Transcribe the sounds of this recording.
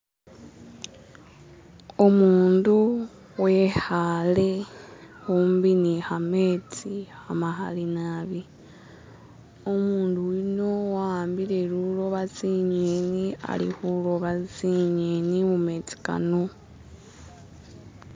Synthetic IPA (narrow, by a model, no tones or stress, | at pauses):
omuːndu | we̞hale̞xuːmbinixamet͡sihamaxa̰linaβi | omuːnduwino̞waaːmbile̞lulo̞βat͡siɲenia̰lḭxulo̞βaziɲenimume̞t͡si̥ka̰no